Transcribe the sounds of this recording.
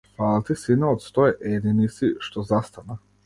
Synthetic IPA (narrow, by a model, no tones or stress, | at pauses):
falt̪isinaɔt̪st̪ɔɛʔɛd̪inisiʃt̪ɔzast̪ana